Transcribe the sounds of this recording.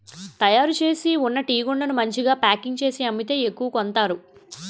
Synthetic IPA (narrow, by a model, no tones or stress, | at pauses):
t̪ɐjaːɾut͡ʃe̞ːsiunːɐʈiːɡoɳɖɐnumɐɲt͡ʃiɡaːpaːkiŋɡt͡ʃe̞ːsiɐmːit̪e̞ːekːuʋɐkont̪aːɾu